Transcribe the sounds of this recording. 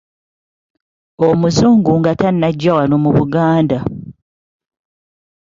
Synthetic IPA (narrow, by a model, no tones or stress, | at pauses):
omuzuːŋɡuŋɡatanːaɟːawano̞muβuɡaːnda